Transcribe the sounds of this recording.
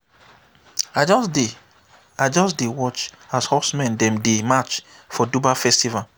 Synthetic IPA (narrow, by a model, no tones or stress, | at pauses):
ad͡ʒɔsde | ad͡ʒɔsdewɔt͡ʃ | ashɔsmɛ̃ndɛ̃mdemat͡ʃ | fɔdubafɛstival